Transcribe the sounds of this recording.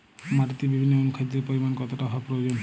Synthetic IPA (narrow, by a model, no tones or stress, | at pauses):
maɾit̪ibibʱinːoonukʰad̪eɾpoɾimankɔt̪oʈaɦɔapɾoeod͡ʑon